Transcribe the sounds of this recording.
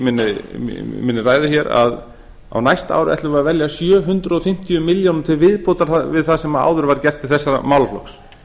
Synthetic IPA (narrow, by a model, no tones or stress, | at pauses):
mɪnːɪ | mɪnːɪraːjðʏçɛɾa̰ð | a̰wnajst̪a̰ːwɾʏɛ̰t̪ʏɾvaɾvɛljasjœːɦʏnt̪ɾʏɔfɪm̥t̪ʰijʏmɪljownʏmt̪ʰɪlvɪðpɔt̪aɾ̥θavɪðθaðsɛmaa̰ːwðʏɾvaɾ̥cɛr̥t̪ɪ̥θɛsːaɾa̰mawlflɔ̰ks